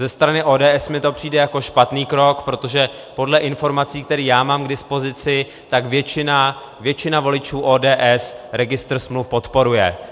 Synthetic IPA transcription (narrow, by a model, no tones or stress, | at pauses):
zɛst̪ɾanɪʔoːdɛːʔɛsmɪt̪o̞pr̝̥iːdɛjako̞ʃpat̪niːkɾo̞kpɾo̞t̪o̞ʒɛ | po̞dlɛʔɪnfo̞ɾmat͡siːkt̪ɛɾiːjaːmaːmɡdɪspo̞zɪt͡sɪ | t̪aɡvjɛt͡ʃɪna | vjɛt͡ʃɪnavo̞lɪt͡ʃuːʔoːdɛːʔɛsɾɛɡɪst̪r̩smlufpo̞t̪po̞ɾujɛ̰